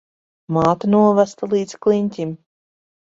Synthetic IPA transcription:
maːt̪anuɔvæst̪alˠiːd̪sklˠiɲʲt̪ʲim

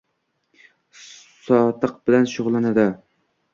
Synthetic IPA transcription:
sɑt̪ʰɨq̚b̥ɪlænʃoʁlˠɨnɨd̪ɪ

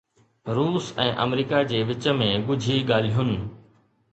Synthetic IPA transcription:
ɾuːsɛ̃ːʔɐ̰mɾiːkad͡ʑeːʋɪt͡ɕə̆mẽɡʊd͡ʑʱiɠaːl̤iɦʊnɪ̆

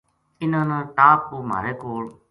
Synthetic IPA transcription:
ɪnãːnãːʈaːpːuːma̰ːɾeːkoːɭ

